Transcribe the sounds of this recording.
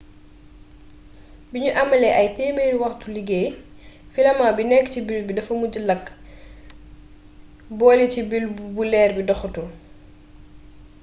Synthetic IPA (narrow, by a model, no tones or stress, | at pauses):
biɲuʔɐmːɐlɛʔɐjtɛːmenwɐxtuliɡej | filɐmabinɛkːcibilbidɐfɐmuɟilɐkː | bɔːlicibilbulɛːɾbidɔxɐtu